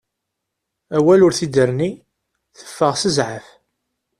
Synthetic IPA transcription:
æwælʊɾθid̪əɾni | θə̥fːəʁsəzʕəf

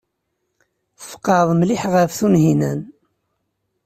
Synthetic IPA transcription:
θə̥fqːɑðˤmliħʁəfθunɦinæn

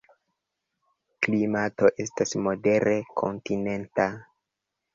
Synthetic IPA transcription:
klimato̞ʔe̞stasmo̞de̞ɾekʰo̞̰ntine̞nta

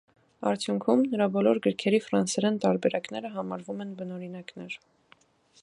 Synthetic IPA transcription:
ɑ̰ɾt̪ʰjuŋkʰumnəɾɑbɔlɔɾɡəɾkʰɛɾifɾɑnsɛɾɛnt̪ɑɾbɛɾɑknɛɾəɦɑmɑɾvumɛnbənɔɾinɑknɛɾ

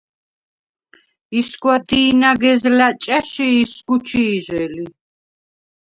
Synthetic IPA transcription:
isɡwad̪iːnaɡɛzlat͡ʃʼaʃiːsɡut͡ʃʰiːʒɛli

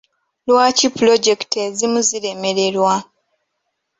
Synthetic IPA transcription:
lwaːcipulo̞ɟe̞kte̞zimuzile̞me̞ɾe̞ɾwa

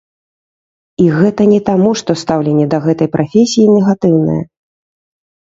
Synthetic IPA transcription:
iɣɛt̪ɐnʲɛt̪amuʂt̪ɔst̪awlʲɛnʲːɛd̪ɐɣɛt̪ɐjpɾʔafʲesʲijinʲɛɣat̪ɨwnɨ̰jɐ̰

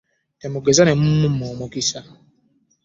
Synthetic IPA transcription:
tɛmʊɡezanɛm̩mumɔmokisa

